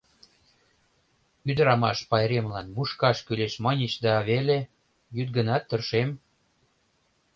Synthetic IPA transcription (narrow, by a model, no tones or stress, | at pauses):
yd̪əɾɑmɑʃpɑjɾemlɑnmuʃkɑʃkyleʃmɑnʲet͡ɕd̪ɑβele | jyt̪̚ɡə̆nɑt̪ːə̆rʃem